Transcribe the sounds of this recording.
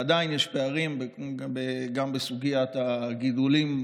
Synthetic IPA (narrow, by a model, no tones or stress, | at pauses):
ad̪ainjɛʃpeaʁimbbeɡambesuɡijat̪aɡidulim